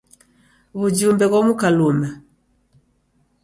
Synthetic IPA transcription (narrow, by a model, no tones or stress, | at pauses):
βud͡ʒumbɛɣɔmukaluma